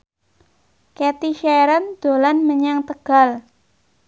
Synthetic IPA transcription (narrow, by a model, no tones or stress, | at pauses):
kɛt̪iʃaɾənd̪̥o̤lanməɲaŋt̪əɡ̥a̤l